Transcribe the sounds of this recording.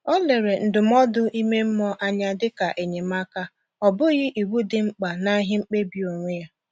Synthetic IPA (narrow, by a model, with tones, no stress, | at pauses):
ɔ˦le˨ɾe˨n̩˨dʊ˨m˦ɔ˦dʊ˦ʔi˦me˦m̩˦mɔ˦ʔa˦ɲa˦dɪ˦ka˨ʔe˨ɲe˨ma˦ka˦ | ɔ˨bʊ˦ɣɪ˦ʔi˨wu˦dɪ˨ŋ͡m̩˦k͡pa˨na˦ɦɪ˦ŋ͡m̩˦k͡pe˦bi˨o˨ŋʷe˦ja˦